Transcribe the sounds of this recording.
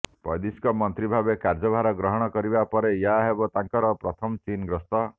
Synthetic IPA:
pɔ̰jd̪iskɔmɔnt̪ɾibʱabekaɾd͡ʒɔbʱaɾɔɡɾɔɦɔɽ̃ɔkɔɾibapɔɾejaɦebɔt̪aŋkɔɾɔpɾɔt̪ʰɔmt͡ʃinɡɾɔst̪ɔ

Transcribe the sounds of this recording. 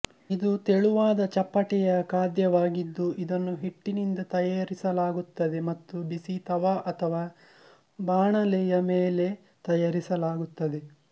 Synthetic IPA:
id̪ut̪eɭuʋaːd̪ɐt͡ʃɐpːɐʈɛjɐkaːd̪jɐʋaːɡid̪ːuʔid̪ɐnːuɦeʈːinind̪ɐt̪ɐjaːɾisɐlaːɡut̪ːɐd̪e̞mɐt̪ːubisit̪ɐʋaːʔɐt̪ʰɐʋaː | baːɳɐlɛjɐmeːle̞ | t̪ɐjaːɾisɐlaːɡut̪ːɐd̪e̞

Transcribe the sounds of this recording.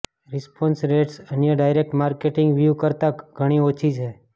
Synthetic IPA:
ɾɪspɔnsɾeʈsənjəɖajɾek̚ʈmaɾkeʈɪ̃ŋɡʋjukəɾt̪aɡʱəɽ̃iot͡ʃʰit͡ʃʰe

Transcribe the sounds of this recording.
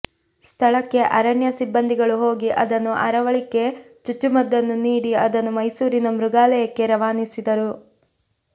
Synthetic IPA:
st̪ʰɐɭɐkːe̞ʔɐɾɐɳjɐsibːɐnd̪iɡɐɭuɦo̞ːɡiʔɐd̪ɐnːuʔɐ̰ɾɐʋɐɭikːe̞ | t͡ʃut͡ʃːumɐd̪ːɐnːuniːɽiɐd̪ɐnːumɐjsuːɾinɐmɾuɡaːlɐjɐkːe̞ɾɐʋaːnisid̪ɐɾu

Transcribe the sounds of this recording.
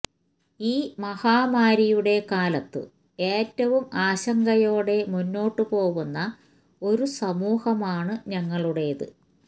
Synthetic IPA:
iːmɐhaːmaːɾijuɽe̞kaːlɐt̪ːɨ̰ | e̞ːtːɐʋumaːɕɐŋɡɐjo̞ːɽe̞munːo̞ːʈːɨpo̞ːɣunːɐ | o̞ɾusɐmuːhɐmaːɳɨɲɐŋːɐɭuɽe̞ðɨ̰

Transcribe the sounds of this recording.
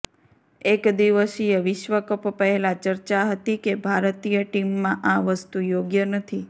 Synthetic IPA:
ekd̪iʋəsijəʋɪʃʋəkəppəɦelat͡ʃəɾt͡ʃaɦət̪ikebʱaɾt̪ijəʈimːãʔãʋəst̪ujoɡjənət̪ʰi

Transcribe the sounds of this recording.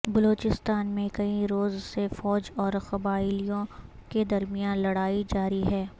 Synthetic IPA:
bɐloːt͡ʃɪst̪aːnmẽkɐĩɾoːzsefɔːd͡ʒɔːɾxɐbaːɪlijõked̪ɐɾmijaːnlɐɽaːid͡ʒaːɾiɦɛː

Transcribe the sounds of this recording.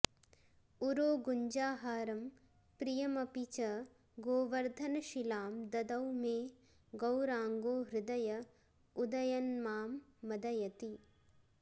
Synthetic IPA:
uɾoːɡuɲd͡ʒaːɦaːɾɐm | pɾijɐmɐpit͡ʃɐ | ɡoːʋɐɾd̪ʱɐnɐʃilaːmd̪ɐd̪ɐwmeː | ɡɐwɾaːŋɡoːɦɾɪd̪ɐjɐ | ud̪ɐjɐnmaːmːɐd̪ɐjɐt̪i

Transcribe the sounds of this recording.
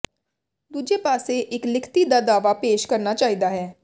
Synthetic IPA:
d̪uːd͡ʒeːpaːseʔɪklɪkʰt̪iːd̪aːd̪aːʋaːpeːʃkəɾnaːt͡ʃaːɦiːd̪aːɦɛː

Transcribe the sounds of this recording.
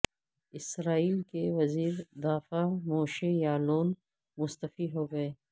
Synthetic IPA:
ɪsɾaːiːlkeʋɐziːɾd̪aːfamoːʃejaːloːn | mʊst̪əfiɦoːɡɐeː

